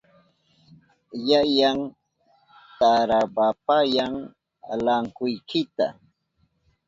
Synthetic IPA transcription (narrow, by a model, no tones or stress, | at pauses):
jajaŋ | t̪aɾapapajaŋ | a̰laŋkʊjkʰɪt̪a̰